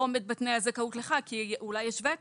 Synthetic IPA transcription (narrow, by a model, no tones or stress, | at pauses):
omed̪̚bat̪nejazekaut̪leχakiulajːeʃvet